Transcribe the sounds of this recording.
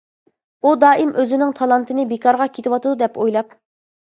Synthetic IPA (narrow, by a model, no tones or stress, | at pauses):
ud̪ɑːʔɪmʔøzɪnɪŋt̪ʰɑlˠɑnt̪ʰɨnɪbekʰɑɾʁɑkʲʰet̪ʰɪwɑt̪ɨd̪ud̪ɛpojlˠɑp